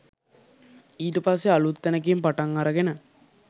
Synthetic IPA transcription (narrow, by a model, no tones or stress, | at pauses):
iːʈəpas̬ːealut̪ːænək̬impaʈaŋːaɾəɡenə